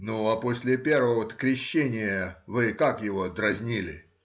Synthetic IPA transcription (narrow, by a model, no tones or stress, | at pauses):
nuaposʲlʲɪpʲervəot̪ə̥kɾʲɪɕːenʲɪjəvɨkakjɪvod̪ɾɐzʲnʲilʲɪ̰